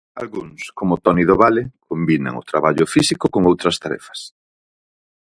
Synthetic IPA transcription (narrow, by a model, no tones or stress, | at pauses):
alɣuŋskomʊt̪ɔniðoβalekombinɐ̰ŋʊ̰t̪ɾaβaʎʊfisikʊkoŋowt̪ɾɐst̪aɾɛ̰fɐ̥s